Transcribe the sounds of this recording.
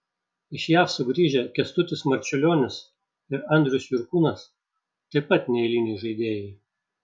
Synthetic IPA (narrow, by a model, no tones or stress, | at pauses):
ɪʃʲjæːfsʊɡɾʲiːʒʲɛkʲɛst̪ʊt̪ʲɪsmɐɾʲt͡ʃʲʊlʲoːnʲɪs | ɪɾɐnʲd̪ʲɾʲʊsʲjʊɾkuːnɐs | t̪ɐɪpːɐt̪nʲɛɪlʲɪnʲɛɪʒɐɪd̪ʲeːjɛɪ